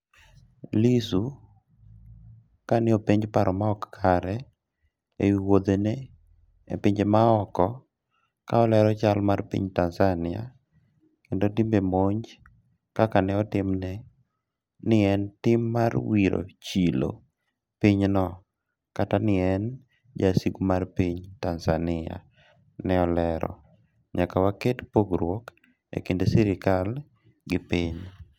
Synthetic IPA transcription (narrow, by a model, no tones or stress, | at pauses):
lisu | kanɪopeɲd͡ʒpaɾɔmaɔkkʰaɾɛ | ewiwod̪ene | ḛpɪɲd͡ʒemaɔkɔ | kaɔlɛɾɔt͡ʃalmarpḭɲtanzanɪa̰ | kendotimbemoɲd͡ʒ | kakanɛɔtɪmnɛ | nɪɛntɪmːarwiɾo̰t͡ʃilo̰ | piɲnɔ | katanɪɛn | d͡ʒasiɡmarpiɲtansanɪa̰ | nɛɔlɛɾɔ̰ | ɲakawaketpoɡɾwɔk | ḛkendosiɾɪkal | ɡɪpiɲ